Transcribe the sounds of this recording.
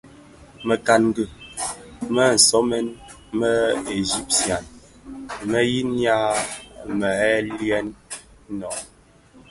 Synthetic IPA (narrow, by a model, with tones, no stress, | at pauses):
mə˨ka˨nɡə˨ | mə˦˨n̩˨sɔ˦mɛ˦n | mə˦e˨zi˦p̚sja˨n | mə˦ji˦nja˦mə˨ɛ˦ljɛ˦nː˦ | ɔ˨